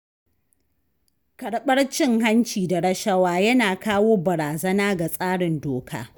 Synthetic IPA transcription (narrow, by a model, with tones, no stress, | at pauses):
kɐ˨ɽɓɐ˦rt͡ʃɪ˦ŋɦa˦nt͡ʃiː˨da˨ɽɐ˦ʃɐ˦waː˦jɐ˦naː˨kaː˦woː˦bɐ˨ɾaː˨zɐ˦naː˦ɡa˨sʼaː˦ɽɪ˨ndoː˨kʰa̰ː˦